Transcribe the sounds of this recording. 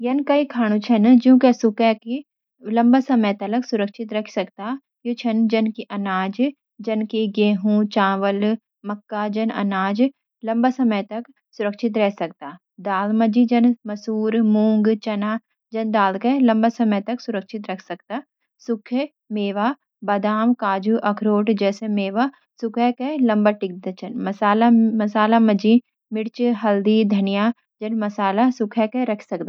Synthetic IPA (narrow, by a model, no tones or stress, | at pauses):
jɐnkaikʰaːɽ̃ũt͡ʃʰɐnd͡ʒjũːkesʊkɛki | lɐ̃mbasɐməjt̪ɐlɐksʊɾəkʃɪt̪ɾɐkʰsɐkt̪aː | jot͡ʃʰɐnd͡ʒɐnkiʔɐnaːd͡ʒ | d͡ʒɐnkeɡeːɦũːt͡ʃãːʋəl | mɐkːad͡ʒɐnɐ̰naːd͡ʒ | lɐ̃mbasɐməjt̪ɐk | sʊɾəkʃɪt̪ɾɛɦsɐkt̪aː | d̪aːlmɐd͡ʒid͡ʒɐnmɐsuːɾmũːŋɡt͡ʃɐna | d͡ʒɐnd̪aːlkelɐ̃mbasɐməjt̪ɐksʊɾəkʃɪt̪ɾɐkʰsɐk̚t̪aː | sʊkʰ | meːʋaː | bɐd̪aːmkaːd͡ʒuʔɐkʰɾoːʈd͡ʒɛːsemeːʋa | sʊkʰɛkelɐ̃mbaʈɪk̚d̪ət͡ʃɐnmɐsaːlamɐsaːlamɐd͡ʒi | mɪɽt͡ʃɦɐld̪id̪ʱɐnija | d͡ʒɐnmɐsaːlasʊkʰɛkeɾɐkʰsɐk̚t̪a